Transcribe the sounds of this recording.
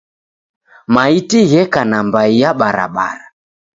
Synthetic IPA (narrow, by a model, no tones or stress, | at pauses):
maitiɣɛkanambaijaɓaɾa̰ɓa̰ɾa